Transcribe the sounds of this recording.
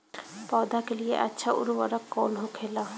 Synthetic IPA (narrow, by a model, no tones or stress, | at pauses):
pɔd̪akelijḛʔa̰tːʃʰaʔṵɾuba̰ɾakːɔnɦokʰela